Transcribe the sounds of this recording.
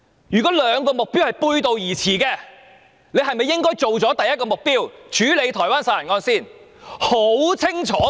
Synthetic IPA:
jyː˨˩kɔː˨˥lœː˨˧˥ŋkɔː˧mʊ˨k̚piː˥whɐ˨˩jpuː˧jt̪o˨wjiː˨˩t͡sʰiː˨˩kɛː˧ | ne˨˧jɦɐ˨jmɐ˨jːɪ˥ŋkɔː˥jt͡so˨wt͡sɔː˨˥t̪ɐ˨jɐ˥t̚kɔː˧mʊ˨k̚piː˥wt͡ʃʰyː˨˥le˨˧jt̪ʰɔː˨˩waː˥nsaː˧jɐ˨˩ŋɔː˧nsiː˥˩n | ho˨˥wt͡sʰɪ˥ŋt͡ʃʰɔː˨˥

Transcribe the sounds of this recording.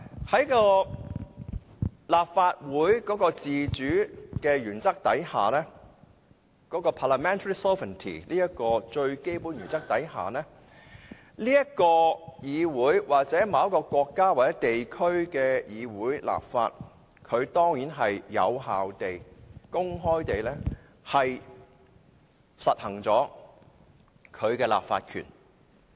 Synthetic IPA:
hɐ˨˥jkɔː˧ | laː˨p̚faː˧t̚wuː˨˥jkɔː˨˥kɔː˧t͡siː˨t͡ʃyː˨˥kɛː˧jyː˨˩nt͡sɐ˥k̚t̪ɐ̰˨˥jhaː˨˩lɛː˥ | kɔː˨˥kɔː˧pʰaː˨la˨mɛː˥nt̪ʰə˧˥i˥sɔː˥və˨˩nt̪ʰḭː˨˩liː˥jɐ˥kɔː˧t͡ʃɵ˧ɥke˥jpuː˨˥njyː˨˩nt͡sɐ˥k̚t̪ɐ˨˥jɦa̰ː˨˩lɛː˥ | liː˥jɐ˥kɔː˧jiː˨˧wuː˨˥jwaː˨k̚t͡sɛː˨˥maː˨˧jɐ˥kɔː˧kʷɔː˧kːaː˥waː˨t͡sɛː˨˥t̪e˨jkʰɵ˥ɥkɛː˧jiː˨˧wuː˨˥jlʔa̰ː˨p̚fa̰ː˧t̚ | kʰɵ˨˧ɥt̪ɔː˥ŋjiː˨˥nɦɐ˨jjɐ̰˨˧wɦaː˨wt̪e˨jkʊ˥ŋɦɔː˥jt̪e˨jlɛː˥ | hɐ˨j | sɐ˨t̚hɐ˨˩ŋt͡sɔː˨˥ | kʰɵ˨˧ɥkɛː˧la̰ː˨p̚fa̰ː˧t̚kʰy̰˨˩n

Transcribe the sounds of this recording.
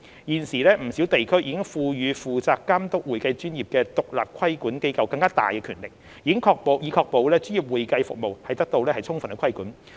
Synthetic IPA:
jiː˨˩nsiː˨˩lɛː˥m̩˨˩siː˨˥wt̪e˨jkʰɵ˥ɥjiː˨kɪ˥ŋfuː˧jyː˨˧fuː˨t͡saː˧kːaː˥mt̪ʊ˥k̚wu˨jkɐ˧jt͡ʃyː˥njiː˨˩p̚kɛː˧t̪ʊ˨k̚la̰ː˨p̚kʰɐ˥jkuː˨˥nke˥jkɐ˨˧wkɐ˧ŋkaː˥t̪a̰ː˨jkɛ˧kʰyː˨˩nlɪ˨k̚ | jjiː˨˧kɪ˥ŋkʰɔː˧k̚po˨wjiː˨˧kʰɔː˧k̚po˨wlɛː˥t͡ʃyː˥ni˨˩p̚wuː˨jkɐ˧jfʊ˨k̚mo˨whɐ˨jt̪ɐ˥k̚t̪o˧wlɛː˥hɐ˨˩jt͡sʰʊ˥ŋfɐ˨˩nkɛ˧kʰɐ˥jkuː˨˥n

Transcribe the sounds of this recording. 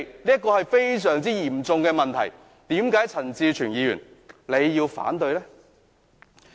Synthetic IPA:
liː˥ɐ˥t̚kːɔː˧hɐ˨jfe˥js̬œː˨˩ŋt͡siː˥jiː˨˩mt͡sʊ˨˧ŋkɛː˧mɐ˨nt̪ʰɐ˨˩j | t̪iː˨˥mkaː˨˥jt͡sʰɐ˨˩nt͡siː˧t͡ʃʰyː˨˩njiː˨˧jy̰˨˩nle˨˧jːiː˧wfa̰ː˨˥nt̪ɵ˧ɥlɛː˥

